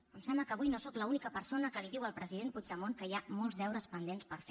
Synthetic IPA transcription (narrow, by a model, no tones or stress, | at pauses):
əmsɛmbləkəːβujnosokləunikəpəɾsonəkəliðiwəlˠpɾəzið̞enput͡ʃd̪əmoŋkəjamolˠzðɛwɾəspənd̪enspəɾf